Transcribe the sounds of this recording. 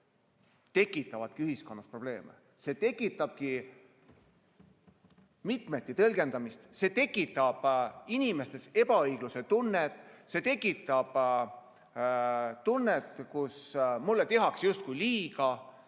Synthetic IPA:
t̪e̞kːˑit̪ːˑɑvɑt̪̚kiyhisko̞nːɑspro̞b̥le̞ːmḛ | se̞ːt̪e̞kːˑit̪ːˑɑb̥̚ki | mit̪ˑme̞t̪ːˑit̪ɤlɡ̥e̞nd̪ɑmist̪se̞ːt̪e̞kːˑit̪ːˑɑb̥inʲime̞st̪e̞se̞bɑɤjɡ̥luse̞t̪unːet̪ˑse̞t̪e̞kːˑit̪ːˑɑb̥ | t̪ːunːet̪kusmulːet̪e̞ɦɑksjust̪̚kujliːɡɑ

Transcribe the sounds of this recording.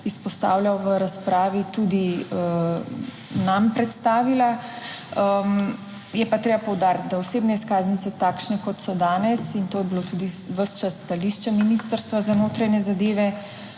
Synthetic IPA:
ispɔst̪a̰ːwlʲawʋəɾaspɾaːʋit̪ud̪iə | nampɾɛt̪st̪aːʋila | ə | jɛpat̪ɾeːbapɔwd̪aːɾt̪̚d̪aoseːbnɛiskaːznit̪sɛt̪akʃnɛkɔt̪sɔd̪aːnɛsint̪oːjɛbilot̪ud̪iʋəʃt͡ʃasːt̪aliʃt͡ʃaminist̪əɾst̪ʋazanoːt̪ɾanjɛzad̪eːʋɛ

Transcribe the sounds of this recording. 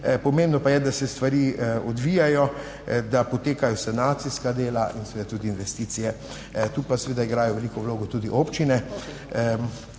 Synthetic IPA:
pɔmẽmbnɔpajɛd̪asɛst̪ʋaɾiːɔd̪ʋijajɔ | d̪apɔt̪eːkajɔsɛnaːt̪siskad̪eːlaʔinsɛʋeːd̪at̪uːd̪iːnʋɛst̪iːt̪sijɛ | t̪uːpasɛʋeːd̪aiɡɾaːjɔʋɛlikɔwloːɡɔt̪uːd̪iʔoːpt͡ʃinɛ

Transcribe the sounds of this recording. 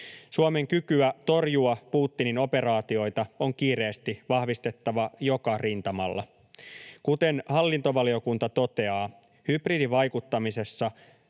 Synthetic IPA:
suome̞ŋkykyæt̪o̞rjuɑpuːt̪ːinino̞pe̞ɾɑːt̪io̞jt̪ɑo̞ŋkiːɾe̞ːst̪iʋɑhʋist̪e̞t̪ːɑʋɑjokɑrint̪ɑmɑlːɑ̰ | kut̪e̞nhɑlːint̪o̞ʋɑlio̞kunt̪ɑt̪o̞t̪e̞ɑː | hybridiʋɑjkut̪ːɑmise̞sːɑ

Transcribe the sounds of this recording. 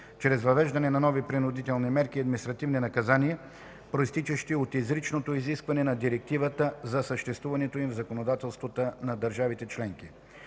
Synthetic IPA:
t͡ʃɾɛzvɐvɛʒd̪ɐnɛnɐnɔvipɾinʊd̪it̪ɛlˠnimɛɾkiɐd̪minist̪ɾɐt̪ivninɐkɐzaniɛ | pɾoist̪it͡ʃɛʃt̪iot̪izɾit͡ʃnot̪oiziskvɐnɛnɐd̪iɾɛk̚t̪ivət̪əzɐsəʃt̪ɛst̪vuvɐnɛt̪oimvzɐkonod̪at̪ɛlˠst̪vot̪ənɐd̪əɾʒavit̪ɛt͡ʃlɛŋk̟i

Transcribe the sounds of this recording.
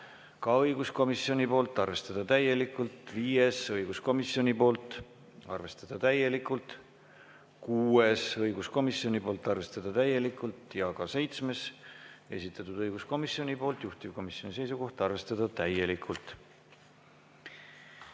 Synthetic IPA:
kɑɤjɡ̥usko̞misjo̞nʲipo̞ːlt̪ːˑɑrve̞st̪ɑd̪̥ɑt̪æje̞likːult̪viːe̞sɤjɡusko̞misjo̞nʲipo̞ːlt̪ˑ | ɑ̰rve̞st̪ɑd̪̥ɑt̪æje̞likːˑult̪ˑ | kuːesɤjɡ̥usko̞misːjo̞nʲipo̞ːlt̪ːˑɑrve̞st̪ɑd̪̥ɑt̪æje̞likˑːult̪jɑkɑse̞jt̪sme̞se̞̰sʲit̪ːˑɑt̪ud̪̥ɤjɡ̥usko̞misjo̞nʲipo̞ːlt̪juht̪ivko̞misjo̞nis̬e̞jsuko̞ht̪ɑrve̞st̪ɑd̪̥ɑt̪æje̞likʰːult̪

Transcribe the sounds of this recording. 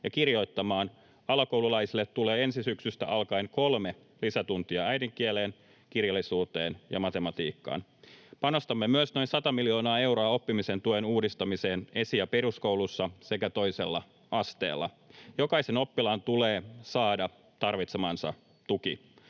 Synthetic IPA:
jɑkirjo̞jt̪ːɑmɑːn | ɑlɑkowlulɑjsilːet̪ːuleːensisyksyst̪æ̰ʔɑlkɑinko̞lme | lisæt̪unt̪iɑæjdiŋkieleːn | kirjɑlːˑisuːt̪eːnjɑ̰mɑt̪e̞mɑt̪iːkːɑ̰ːnpɑno̞st̪ɑmːemyøsno̞insɑt̪ɑmiljo̞ːnɑːe̞wɾoɑo̞pːimisent̪uenuːdist̪ɑmise̞ːne̞sijɑperusko̞ulusːɑse̞kæt̪o̞ijse̞lːɑ | ɑst̪ḛːlːɑ̰ | jo̞kɑiseno̞pːilɑːnt̪uleːsɑːdɑ | t̪ɑrʋit̪semɑːnsɑ̰ | t̪uki

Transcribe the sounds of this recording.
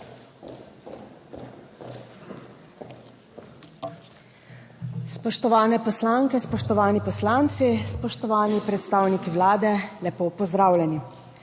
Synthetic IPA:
spɔʃt̪ɔʋaːnɛpɔslaŋkɛspɔʃt̪ɔʋaːnipɔslaːnt̪sispɔʃt̪ɔʋaːnipɾɛt̪st̪aːwnikiwlaːd̪ɛlɛpoːpɔzd̪ɾaːwlʲɛni

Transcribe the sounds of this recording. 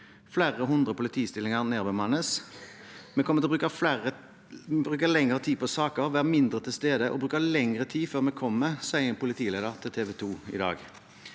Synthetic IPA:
flæːʁəɦʊnd̪ʁəpʰʊlɪt̪ʰiːst̪ɪlɪŋəʁneːʁbəmɑnəs | mɛkʰɔmːəɪlbʁʉːkəæə | bʁʉːkəlɛŋəʁət̪ʰiːpʰɔsɑːkəʁʋæːʁmɪnd̪ʁət̪ʰɪlst̪eːd̪əʔɔ̰bʁʉːkəlɛŋʁət̪ʰiːføːʁmɛkʰɔmːəsæɪɛnpʰʊlɪt̪ʰiːleːd̪əʁt̪ʰɪlt̪ʰeːʋɛt̪ʰuːɪ̰d̪ɑ̰ːɡ

